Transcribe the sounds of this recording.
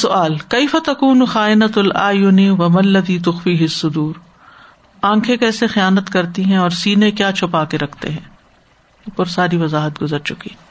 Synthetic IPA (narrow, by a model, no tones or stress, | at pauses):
sʊʔaːlkeɪfɐt̪ɐkuːnxaːɪnɐt̪ɐlʔaːjʊniwɐmɐnlːɐðiːt̪ʊxfiːɦɪsːʊd̪uːɾ | ãːkʰekɛːsexijaːnət̪kɐɾt̪iɦɛ̃ɔːɾsiːnẽkjaːt͡ʃʰʊpaːkeɾɐkʰt̪ḛɦɛ̃ː | ʊpəɾsaːɾiʋɐzaːɦət̪̚ɡʊzəɾt͡ʃʊki